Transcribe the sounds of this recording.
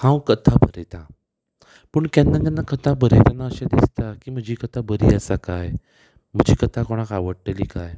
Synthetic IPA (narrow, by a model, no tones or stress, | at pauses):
hãwkət̪ʰabʱəɾet̪a | pəɳt̪janːat̪anːakət̪ʰabʱəɾet̪anːaəɕãd̪ist̪akiːm̤əd͡ʑiːkət̪ʰabəɾiːəsakaj | m̤əd͡ʑʱiːkət̪ʰakoɽ̃akaʋəɽʈəliːkaj